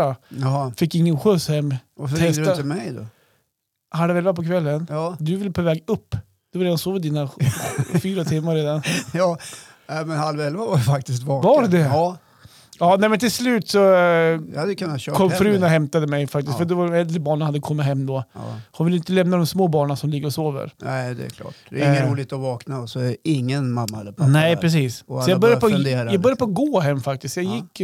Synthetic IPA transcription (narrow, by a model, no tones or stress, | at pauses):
afɪkːɪŋːənɧɵshɛmːvafʰɛat̪əmɛjd̪ɔ̰ | halvɛlvapʰɔkʰvɛlːənːd̪ɵvɪləpʰoːvɛːɡɵpː | d̪̥ɛvaɾeːd̪ansoːvɪd̪iːna | fyːɾat̪ʰɪmːaɾeːd̪anjɑ | nɛmɛnhalvɛlvavajfak̚t̪ɪst̪vɑːvɑːɾd̪ɛ | ɑːnɛɪmɛnt̪ʰɪlslʉ̟ːt̪sɔjhad̪ːjəkʰɵnːat̪ɕøːkʰɔmːfɾʉ̟ːnaɦɛmt̪ad̪əmɛjfak̚t̪ɪsk̪fœɖɛvaɾɛld̪ɾəbɑːɳənhad̪ːəkʰɔmːɪt̪ɦɛmːd̪o̰ːhʊnvɪlɪnt̪əlɛmnad̪ɔmsmoːbɑːɳasɔmlɪɡːəɾɔsoːvə̰ɾnɛɪd̪ɛ̰kʰlɑ̰ːʈd̪ɛ̰ɾɪŋːəɾuːlɪt̪ɔvɑːknaɔsɔɛɛɪŋːənmamːad̪ɛpʰnɛɪpʰɾɛs̬iːsɔsɔjɑɡbœɾjapɔd̪eːɾjaɡbœɾjd̪əpʰɔɡoːɦɛmːfak̚t̪ɪsk̪jɑːɡjɪkː